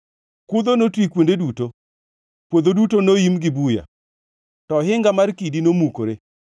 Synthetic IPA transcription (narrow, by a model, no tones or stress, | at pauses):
kʊd̪onotwikwondeduto | kwod̪odutonojimɡɪbuja̰ | tɔɦɪŋɡamarkidinomuko̰ɾe